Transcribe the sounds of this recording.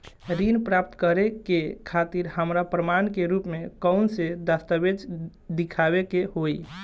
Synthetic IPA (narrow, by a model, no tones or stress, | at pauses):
ɾinpɾap̚t̪kəɾekekʰat̪iɾɦəmɾapɾəmankeɾupmekəʊnsed̪əst̪əbed͡ʒ | d̪ikʰabekeɦoj